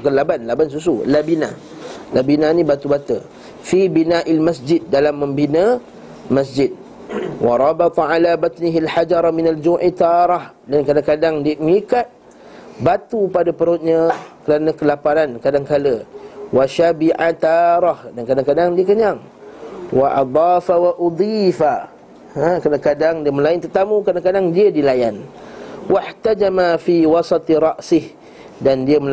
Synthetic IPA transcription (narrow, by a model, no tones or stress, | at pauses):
kanlabanlabans̬us̬ulabina̰ | labinãnĩbat̪ubat̪ə | fibinaʔalmasd͡ʒɪd̚ːalamːə̃mbinə | mas̬d͡ʒɪd̪̚ | wɑɾˤɑbɑt̪ˤɑʕalabat̪niɦialħad͡ʒɑɾˤminald͡ʒuʔit̪aɾˤɑh | dankadaŋkadaŋdimikat̪̚ | bat̪upadapəɾʊt̪̚ɲãkəɾanə̃kəlapanankadaŋkaləwaʃabiʕat̪ɑɾˤɑhdankadaŋkadaŋdiəkəɲaŋ | waʔɑ̰d̪ˤɑːfawaʔud̪ˤifa | akadaŋkadaŋdiəmə̃laɪnt̪ərt̪amũkadaŋkadaŋdiədilajan | waħt̪ad͡ʒamafiwɑsɑt̪ˤɾˤɑʔsɪh | dandiəməl